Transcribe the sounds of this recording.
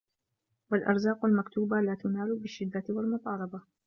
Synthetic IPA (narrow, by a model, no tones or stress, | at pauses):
walʔɑ̰ɾˤzaːqʊlmakt̪uːbalaːt̪ʊnaːlʊbɪʃːɪd̪ːawalmʊt̪ˤɑːlɑba